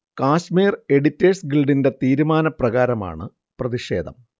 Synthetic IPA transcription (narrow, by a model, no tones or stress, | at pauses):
kaːɕmiːre̞ɽitːeːsɡilɖinde̞t̪iːɾumaːnɐprɐɣaːɾɐma̰ːɳɨ | prɐðiʂe̞̰ːd̪ʱɐ̰m